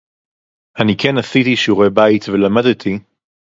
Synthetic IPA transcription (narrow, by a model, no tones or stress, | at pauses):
ʔanikenasitiʃuʁebait̪velamadt̪ʰi